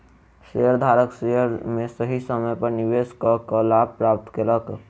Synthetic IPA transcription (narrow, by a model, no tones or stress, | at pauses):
seəɾd̪ʱaɾəkseɦəɾmẽsəɦisəməjpəɾniʋeskɔkəlab̚pɾap̚t̪kelək